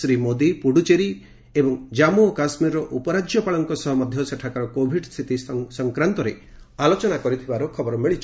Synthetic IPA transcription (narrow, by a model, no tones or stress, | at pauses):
sɾimod̪ipuɽut͡ʃeɾi | ebɔŋd͡ʒamuɔkasmiɾɔʔupɔɾad͡ʒjɔpaɭɔŋkɔsɔɦɔmɔd̪ʱjɔseʈʰakaɾɔkobʱiɖst̪ʰit̪isɔŋkɾant̪ɔɾealot͡ʃɔnakɔɾit̪ʰibaɾukʰɔbɔɾɔmiɭit͡ʃʰ